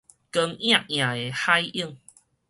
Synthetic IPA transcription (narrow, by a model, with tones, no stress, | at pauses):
kə˧ŋj̃ã˧˨ʔj̃ã˨˩e˨˩ha˦jʔi˦˥˧ŋ